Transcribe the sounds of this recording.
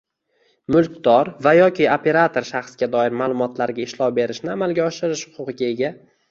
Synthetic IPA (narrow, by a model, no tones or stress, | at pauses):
mʊlˠkʲd̪̥ɒɾvajɒkʲʰɪopʰe̞ɾat̪ʰo̞ɾʃaχsɡʲad̪ɒɪɾmaːlˠʊmɒt̪laɾɡʲaɪʃlˠɒwbe̞ɾɪʃnɪamalˠɡʲaɒʃɪɾɪʃhʊqʰʊqɨɡʲaeɡʲa